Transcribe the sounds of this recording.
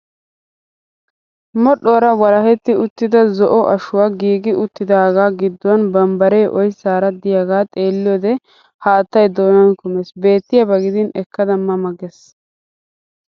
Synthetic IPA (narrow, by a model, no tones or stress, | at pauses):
mɔɗːoɾɐwɐɾɐhɛt̪ːɪʊt̪ːɪd̪ɐzɔʔɔʔɐʃʊwaːɡiːɡɪʔʊt̪ːɪd̪aːɡaːɡɪd̪ːʊwɐnbɐmbɐɾeːʔɔjsaːɾɐd̪ɪjaɡaːt̪ʼeːlːɪjoːd̪ɛ | haːt̪ːɐjd̪oːnɐnkʊmesbe̞ːt̪ːɪjɐbɐɡɪd̪ɪnɛkːɐd̪ɐmːɐmɐɡɛs